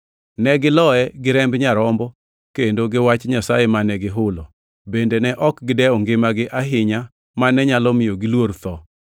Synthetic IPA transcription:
nɛɡɪlɔɛɡɪɾɛmbɲaɾɔmbɔ | kendoɡɪwat͡ʃɲasajemanɛɡɪɦʊlɔ | bendenɛʔɔkɡɪdɛɔŋɡɪmaɡɪʔaɦɪɲa | manɛɲalɔmɪjoɡɪlwoɾt̪ɔ

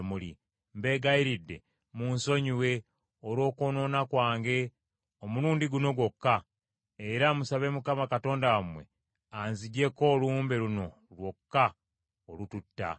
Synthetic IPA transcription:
mulḭ | mbe̞ːɡaiɾidːe̞̰ | munso̞ɲiwe̞ | oɾwo̞ːkoːno̞ːnakwaːŋɡe̞ | omuluːndiɡuno̞ɡwo̞kːa | eɾamusaβe̞mukamakato̞ːndawamwe̞̰ | anziɟe̞ko̞ːluːmbe̞luno̞ | lwo̞kːa | olututːa̰

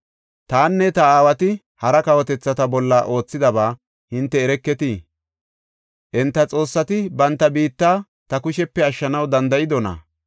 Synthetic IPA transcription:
t̪aːnːɛt̪ɐaːwɐt̪ɪ | hɐɾɐkɐwɔt̪ɛt͡sːɐt̪ɐbɔlːaʔo̞ːt͡sːɪd̪ɐbaː | hɪnt̪ːɛːɾɛkːɛt̪i | ʔɛnt̪ːɐt͡sʼo̞ːsːɐt̪ɪbɐnt̪ːɐbiːt̪ːaː | t̪ɐkʊʃɛpːɛɐʃːɐnɐwd̪ɐnd̪ɐjɪd̪ɔnɐ̰

